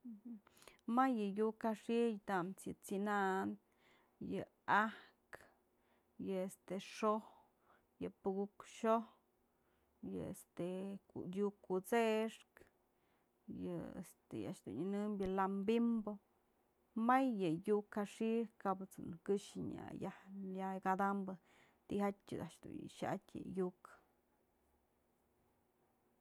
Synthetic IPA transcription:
majːɨjukaʂijt̪amt͡sjɨt͡sinaʔn | jɨ | ahk | jɨest̪eʂoh | jɨpɨɡukʃoh | jɨest̪ekṵjukut͡seʂk | jɨḛst̪eja̰ʔʃd̪ṵɲɨnɨmbjɨlambimbo | majːɨjukhaʂikaʔbɨt͡sṵnɨkɨʂɨɲa̰jahjaɡad̪ambɨ | t̪ihatʲjɨ̰d̪aʔʂd̪ṵʃaa̰tʲjɨ̰juk

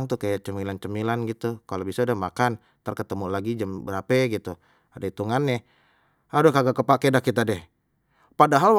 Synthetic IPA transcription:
ŋt̪uhkajaʔt͡ʃəmilant͡ʃəmilanɡit̪ukalobisadamakan | t̪ərkət̪əmulaɡid͡ʒəmbəɾapɛɡit̪u | adait̪uŋanːɛ | adokaɡakəpakedakit̪adɛh | padaɦal

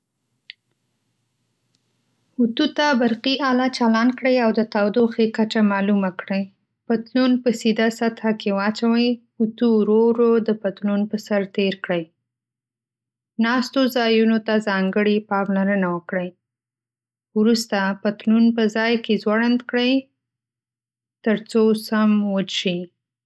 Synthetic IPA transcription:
ut̪ut̪abaɾqiʔɑlɑt͡ʃalɑnkɽəjawd̪ət̪awd̪oxekat͡ʃamɑlumakɽəj | pat̪lunpəsid̪asat̪hakewɑt͡ʃawəj | ut̪uɾoɾod̪əpat̪lunpəsaɾt̪eɾkɽəj | nɑst̪ozɑjunot̪azɑŋɡəɽipɑmlaɾənawəkɽəj | wɾust̪apat̪lunpəzɑjkezwaɽand̪kɽəj | t̪əɾt͡sosamwəʃi

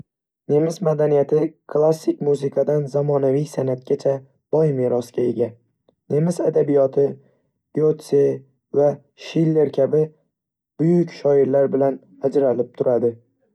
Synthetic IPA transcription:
ne̞mɪsmad̪anijat̪ʰɪkʰlˠasːɪkʲmuzɪkʰad̪anzamɒnavijsanat̪̚ɡʲat͡ʃʰa | b̥ɒjmeɾɒskʲae̞ɡʲa | ne̞mɪsad̪abijɒt̪ʰɪ̥ | jot̪se | va | ʃilːe̞ɾkʲʰabɪ | b̥ʊjʊkʲʃɒɪɾlaɾbɪlan | ad͡ʒɾalɪp̚t̪ʰʊɾad̪ɪ

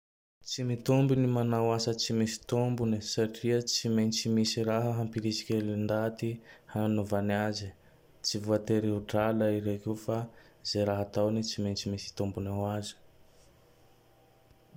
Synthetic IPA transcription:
t͡simit̪ombinimanawasət͡simisi̥t̪ombunisaʈ͡ʂiət͡simejnt͡simisiɾaɦəɦampiɾisi̥kʲelind̪at̪ihanuvaniazi | t͡sivuat̪eɾiuɖ͡ʐalaiɾekufa | zeɾaɦat̪awnit͡simejnt͡simisi̥t̪ombunawazi̥

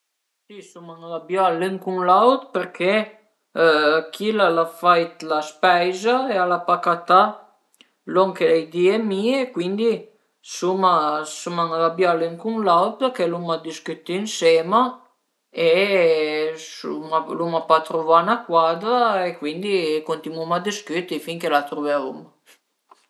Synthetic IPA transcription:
sisumanalabjaleŋkuŋlawt̪̚peɾkʰe | kʰilalafajt̪laspɛjzaealapakat̪a | lɔŋkelejd̪iemiːekwind̪i | sumasumaŋalabjaliŋkunlawt̪kelumad̪iskyt̪ːinsɛːma | e | sṵmalumapat̪ɾuvanakwaːd̪ɾaekwind̪ikont̪imumad̪iskyt̪ːifiŋkelat̪ɾuveavum

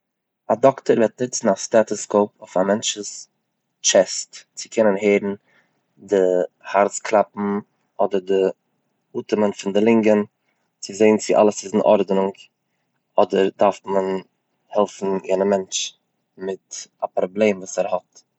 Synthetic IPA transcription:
adɔktəɾvɛt̚nɪt͡sn̩astatɔskoʊpoɪfamɛnt͡ʃəs | t͡ʃɛstt͡sɪ̥kʰɛnənɦeɪɾn̩ | dɪhaɾt͡skʰlˠapm̩ | ʔɔdəɾdɪ | uːtəmənfɪndɪlˠɪŋɡən | t͡sɪzeɪnt͡sɪʔa̰lˠəsɪzɪn̩ʔɔ̰ɾdnɪŋk | ɔdəɾdaɾftmən | hɛlˠfn̩jɛnəmɛnt͡ʃ | mɪtapɾɔblˠeɪmvuːsɛɾhɔt

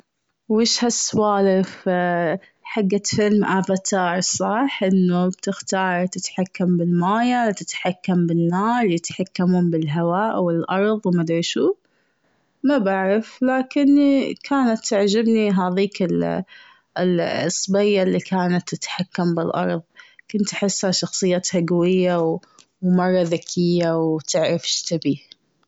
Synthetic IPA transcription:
wɪːʃhasːwaːlɪf | ħaɡːafɪlmʔabat̪ɑːɾˤsˤɑħʔɪnːubt̪ɪxt̪ɑːɾˤt̪ɪt̪ħakːambɪlmaːjat̪ɪt̪ħakːambɪnːaːɾjɪt̪ħakːamʊmbɪlɦawaːʔwɪlʔɑɾˤðˤwmad̪ɾiʃuː | mabaʕɾɪflaːkɪnkʰaːnat̪ːaʕd͡ʒabniɦaːðiːkɪl | lɨsˤːbajːalːikʰaːnat̪ːɪt̪ħakːambɪlʔɑ̰ɾˤðˤkʊnt̪ʔaħɪsːhaʃɑxsˤɨjːaːt̪haɡawɪjːaw | wmɑrˤːɑðakʰɪjːawt̪ɪʕɾɪfʃt̪ɪbiː

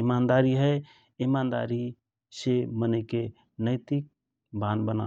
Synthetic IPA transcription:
ɪmaːnd̪aːɾiɦɛ | ɪmaːnd̪a̰ːɾi | seməneke | nəɪt̪ɪk̚ | bʱãːnbəna̰

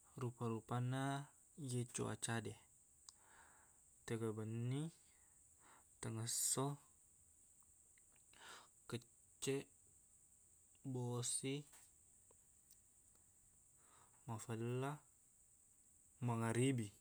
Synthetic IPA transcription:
rupaɾupana | jet͡ʃo̰a̰t͡ʃade | t̪əɡəbənːi | t̪əŋəso | kə | t͡ʃːe | bosi | mafəla | maŋaɾibi

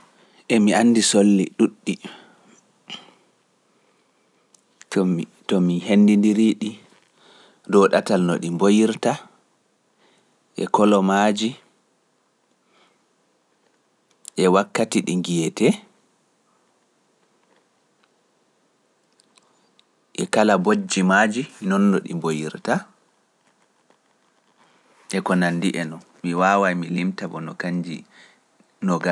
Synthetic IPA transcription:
ʔɛmianːdisolːḭɗuɗːi | tɔmihenːdindiɾiːɗi | dɔɗatalnɔ̰ɗimbojiɾta | ʔɛ̰kɔlɔmad͡ʒi | ʔɛwakːatiɗiŋɡijɛtɛ | ʔɛkalabod͡ʒːimaːd͡ʒinɔnːɔɗḭmbojiɾta | ʔɛkɔnanːdiʔɛnɔn | miwaːwajmilimtabɔnɔkaɲd͡ʒḭ | nɔɡa

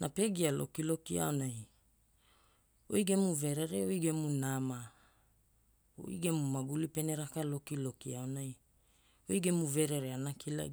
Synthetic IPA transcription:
nape̞ɡialo̞̰kilo̞kia̰onaj | o̰jɡe̞muve̞ɾe̞ɾe̞ojɡe̞munama | o̰jɡe̞mumaɡulipe̞ne̞ɾakalo̞kilo̞kiaonaj | ojɡe̞muve̞ɾe̞ɾeanakʰila̰

